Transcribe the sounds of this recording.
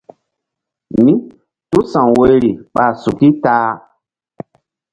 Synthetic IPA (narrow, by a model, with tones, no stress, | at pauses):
mi˦ | tu˦sã˨ŋwo˦jɾi˨ɓa˨su˨ki˦taː˦